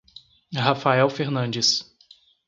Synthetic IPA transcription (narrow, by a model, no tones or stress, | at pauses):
hafaɛwfeɾnɐ̃nd͡ʒɪs